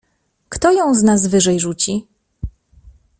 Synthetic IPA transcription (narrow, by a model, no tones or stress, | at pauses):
kt̪ɔjɔ̃w̃znaz̬vɘʐɛjʐut͡ɕi